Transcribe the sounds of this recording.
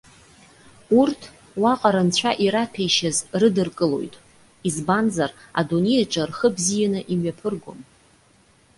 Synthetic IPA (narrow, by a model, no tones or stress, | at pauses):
urtʰ | waqʼaɾant͡ɕʷʰaʔiɾapʰejʃazrɨdɨrkʼɨlo̞̰jtʼ | izbanzara̰donejaʈ͡ʂʼarχəbzijanɨʔimɥapʰɨrɡʷo̰m